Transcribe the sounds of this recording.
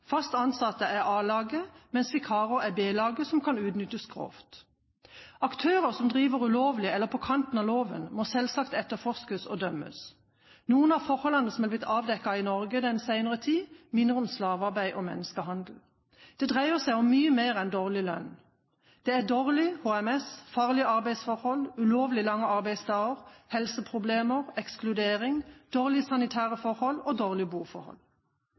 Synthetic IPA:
fɑst̪ɑnsɑt̪əʔæʁɑːlɑːɡəmɛnsfɪkʰɑːʁəæbeːlɑːɡəsɔmkʰɑnʉːt̪nʏt̪əskʰʁo̰ːft̪ | ɑkt̪ʰøːʁəʁsɔmd̪ʁiːʋəʁʉloːʋlɪɛlːəʁpʰɔkʰɑnt̪n̩ɑːloːʋə̰nmosɛlsɑkt̪ɛt̪ːəfɔskəsɔ̰d̪œmə̰s | nuːənɑʋfɔʁhɔlɑnːəsɔm̩ɛːblɪt̪ɑːʋd̪ɛkːɑɪnɔʁɡəd̪ɛnsæɪnəʁət̪ʰiːmɪnd̪ʁəɔmslɑːʋɑʁbæɪʔɔmɛ̰nːəskəhɑnd̪l̩ | d̪̥ɛd̪ʁæɪəʁsæɪɔmːyːəmeːʁɛnd̪oːʁlɪlœ̰n | d̪̥ɛæd̪oːʁlɪhoːɛmɛsfɑːʁlɪɑʁbæɪsfɔʁhɔlʉloːʋlɪlɑŋːəɑʁbæɪst̪ʰɑːəʁhɛlsəpʰʁʊbleːməʁɛksklʉd̪eːʁɪŋd̪̥oːʁlɪsɑnɪt̪ʰæːʁəfɔʁhɔloːd̪oːʁlɪbuːfɔ̰ʁhɔ̰l

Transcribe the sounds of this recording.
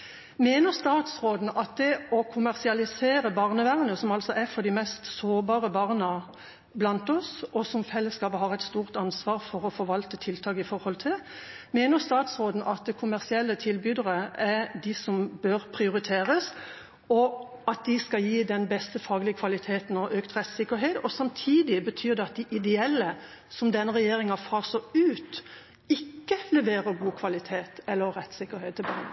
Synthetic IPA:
meːnəʁst̪ɑːt̪sʁoːd̪n̩ʔɑt̪̚d̪ɛɔkʰʊmæʁsɪɑlɪseːʁəbɑʁnəʋæʁnəsɔmɑlsɔʔæfɔʁd̪ɪmɛst̪soːbɑːʁəbɑʁnə | blɑnt̪ɔsʔɔsɔmfɛlːəskɑːpəɦɑʁɛt̪st̪uːʁt̪ɑnsʋɑːʁfɔʁɔfɔɾʋɑlt̪ət̪ʰɪlt̪ʰɑːkɪfɔɾhɔlt̪ʰɪl | meːnəʁst̪ɑːt̪sʁoːd̪n̩ʔɑt̪̚d̪ɛkʰʊmæʁsɪɛlːət̪ʰɪlbyːd̪əʁəɛʁd̪ɪsɔmbøɾpʰɾɪʊɾɪt̪ʰeːɾəs | ɔ | ɑt̪̚d̪ɪskɑjiːd̪ɛnbɛst̪əfɑːɡlɪəkʰʋɑlɪt̪ʰeːt̪n̩ɔʔøːkt̪ʁɛt̪sɪkːəɾɦeːt̪ɔsɑmt̪ʰiːd̪ɪbət̪ʰyːʁd̪ɛɑt̪̚d̪ɪʔɪd̪ɛɛlːə | sɔmd̪ɛnːəɾɛjeːɾɪŋɑfɑːʁsɔʉːt̪ | ɪkːəlɛʋeːɾəɾɡuːkʰʋɑlɪt̪ʰeːt̪ɛlːəʁɾɛt̪sɪkːəɾheːt̪ːɪbɑn

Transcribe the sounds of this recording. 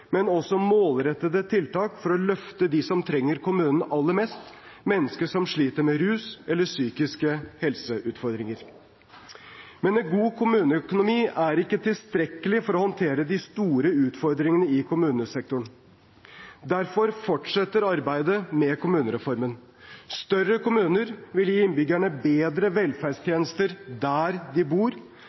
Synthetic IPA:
mɛnɔsɔmoːlɾɛt̪ːəd̪ət̪ʰɪlt̪ɑːkfɔɾɔlœft̪əd̪ɪsɔmt̪ʰɾɛŋːəɾkʰʊmʉːnən̩ʔɑlːəɾmɛst̪mɛnːəskəʂɔmʂɭiːt̪əɾmɛɾʉːsɛlːəsyːkɪskəhɛlsəʔʉːt̪fɔɾd̪ɾɪŋəɾ | mɛnɛnɡuːkʰʊmʉːnəœkʊnʊmiːæɾɪkːət̪ʰɪlst̪ɾɛkːəlɪfɔɾɔhɔnt̪ʰeːɾəd̪ɪst̪uːɾəʉːt̪fɔɾd̪ɾɪŋənəɪkʰʊmʉːnəsɛk̚t̪ʊɳ | d̪æɾfɔɾfɔʈʂɛt̪ːəɾɑɾbæɪd̪əmɛkʰʊmʉːnəɾɛfɔɾmən | st̪œrːəkʊmʉːnəɾʋɪljiːɪnbʏɡæɳəbeːd̪ɾəʋɛlfæɖʂt̪ʰjeːnəst̪əɾd̪æːɾd̪ɪbuːɾ

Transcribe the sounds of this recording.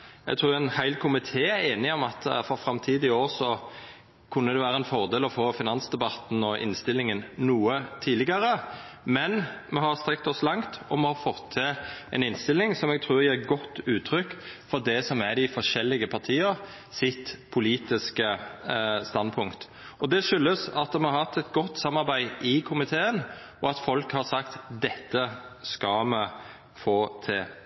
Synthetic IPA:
ɛ̰ɡt̪ʰɾuːɾɛnhæɪlkʰʊmɪt̪ʰeːæeːnɪɔmɑt̪fɔɾfɾɑmt̪ʰiːd̪ɪoːɾsɔ | kʰʉnːəd̪ɛʋæːɾəɛnfɔɾd̪eːlɔfoːfɪnɑnsd̪ɛbɑt̪n̩ɔʔɪ̰nst̪ɪlːɪŋənnuːət̪ʰiːlɪɡəɾə | mɛnmɛɦɑɾst̪ɾɛk̚t̪ɔslɑŋt̪ɔmɛhɑɾfɔt̪ʰːɪʔɛ̰nɪnst̪ɪlːɪŋsɔmɛɡ̚t̪ʰɾʉːɾjæɾɡɔt̪ːʉːt̪ʰɾʏkːfɔɾd̪ɛsɔmæɾdɪfɔʂɛlːɪɡəpʰɑɾt̪ʰiːəɾ | sɪt̪pʰʊliːt̪ɪskə | st̪ɑnpʰʊŋkt̪ | ɔd̪ɛʂʏlːəsɑt̪mɛhɑɾhɑt̪ːɛt̪ɡɔt̪ːsɑmːɑɾbæɪʔɪkʰʊmɪt̪ʰeːən | ɔɑt̪fɔlkhɑɾsɑkt̪d̪ɛt̪ːəskɑmɛ | foːt̪ʰɪl

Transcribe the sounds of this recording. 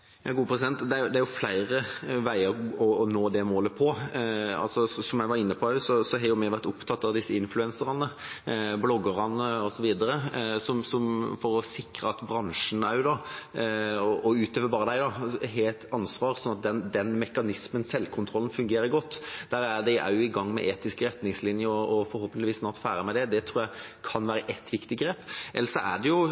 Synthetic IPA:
jɑːɡuːəpʰɾɛs̬ɪd̪ɛnt̪d̪ɛæɾjʊd̪ɛæɾjʊflæɪɾəʋæɪəɾɔːnoːd̪ɛmoːləpʰɔɑ̰lsɔssɔmjæɪʋɑɾɪnːəpʰɔæsɔsɔɦɑjʊmɛʋæɾt̪ʊpt̪ʰɑt̪ːɑʋd̪ɪsːəɪnflʉɛnsəɾɑnəblɔɡːəʁɑnəɔsɔʋiːd̪əɾəsɔmsɔmfɔɾɔsɪkɾəɑt̪bɾɑŋʂən̩æd̪ɑ | ɔʔɔʉːt̪øːʋəbɑːɾəd̪æɪd̪ɑɦeːlt̪ʰɑnsʋɑːɾsɔnːɑt̪̚d̪ɛnd̪ɛnmɛkɑnɪsmənsɛlːkʰʊnt̪ʰɾɔlən̩fʉŋɡeːɾəɾɡɔt̪ːd̪̥æːɾæɖ̪ɛɪʔæ̰ʊɪɡɑŋːmɛ̰ʔeːt̪ɪskəɾɛt̪nɪŋslɪnjəɾɔɔfɔɾhoːpənlɪʋiːsnɑːt̪fæ̰ːɾəmæɪd̪ɛd̪ɛt̪ʰɾuːɾjæɪkʰɑnʋæːɾəʔɛt̪ʰːʋɪkt̪ɪɡɾeːpʔɛ̰lːəɾsɔʔæ̰ɖɛjʊ

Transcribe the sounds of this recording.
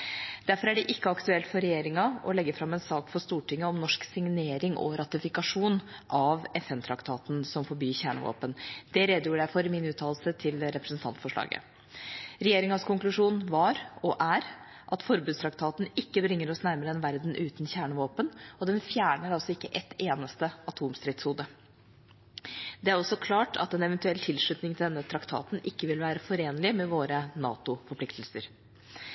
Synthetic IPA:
d̪̥æɾfɔɾæɖɛʔɪkːəɑkt̪ʉɛlt̪fɔɾɛjeːɾɪŋɑɔlɛɡːəfɾɑmːɛnsɑːkfɔst̪uːʈɪŋːəɔmnɔʂksɪŋneːɾɪŋʔɔ̰ɾɑt̪ɪfɪkɑʂuːnʔɑʋɛfɛnt̪ʰɾɑkt̪ʰɑːt̪n̩sɔmfɔɾbyːçæːɳə̰ʋo̰ːpənd̪ɛɾeːd̪əjuːjæɪfɔɾɪmɪnʉːt̪ʰɑːl̩sət̪ʰɪlɾɛpɾəsn̩t̪ɑ̰nt̪fɔʂɭɑ̰ːɡə̰ | ɾɛjeːɾɪŋɑskʰʊŋklʉʂuːnʋɑɾɔʔæɾ | ʔɑt̪fɔɾbʉːst̪ʰɾɑkt̪ʰɑːt̪n̩ɪkːəbɾɪŋːəɾɔsnæɾməɾəɛnʋæɾd̪n̩ʔʉːt̪n̩çæːɳəʋoːpənɔd̪ɛnfjæːɳəɾɑlsɔɪkːəʔɛt̪eːnəst̪əɑt̪ʰuːmst̪ɾɪt̪shuːd̪ə | d̪ɛæɾɔsɔkʰlɑːʈʰɑ̰t̪ɛnɛʋɛnt̪ʉɛlt̪ʰɪlʂɭʉt̪nɪŋt̪ɪld̪ɛnːət̪ʰɾɑkt̪ʰɑ̰ːt̪nʔɪkːəʋɪlʋæːɾəfɔɾeːnlɪmɛʋoːɾənɑ̰ːt̪ʊfɔɾpʰlɪkt̪ʰlsəɾ

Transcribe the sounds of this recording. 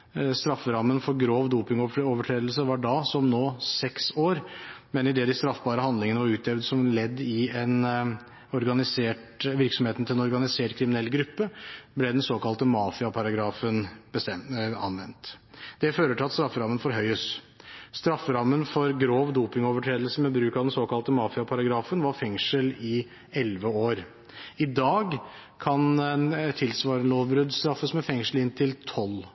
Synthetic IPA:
st̪ɾɑfːəɾɑmːənfɔɾɡɾoːʋd̪uːpɪŋɔʈɔːʋəʈʰɾeːd̪l̩səʋɑɖɑːsɔmnoːsɛksoːɾmɛnɪd̪ɛːd̪ɪst̪ɾɑfbɑːɾəhɑnd̪lɪŋənəʋɑɾʉːt̪d̪ɛʋd̪sɔmlɛd̪ːɪɛn | ɔɾɡɑnɪseːʈʋɪɾksɔmheːt̪ənt̪ʰɪlɛnɔɾɡɑnɪseːʈkʰɾɪmɪnɛlːɡɾʉpːəblɛd̪ɛnsoːkɑlt̪əmɑːfɪɑpʰɑɾɑɡɾɑːfənbəɛɑ̰nʋɛ̰nt̪d̪̥ɛføːɾəʈʰɪlɑt̪st̪ɾɑfːəɾɑmənfɔɾɦœʏəs | st̪ɾɑfːəɾɑmːənfɔɾɡɾoːʋd̪uːpɪŋoːʋəʈʰɾeːd̪lsəmɛbɾʉːkɑʋd̪ɛnsoːkɑlt̪əmɑːfɪɑpʰɑɾɑɡɾɑːfənʋɑɾfɛŋʂəlɪ | ɛlʋəoːɾ | ɪd̪ɑːɡ | kʰɑnɛt̪ʰɪlsʋɑːɾənloːʋbɾʉd̪st̪ɾɑfːəsmɛfɛŋʂəl̩ɪnt̪ʰɪlt̪ʰɔl

